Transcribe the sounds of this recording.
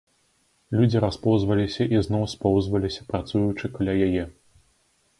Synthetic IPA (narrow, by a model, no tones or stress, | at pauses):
lʲud͡zʲiɾaspɔwzvɐlʲisʲɐʔiznɔwspɔwzvɐlʲisʲɐpɾat̪sujut͡ʂɨkalʲajajɛ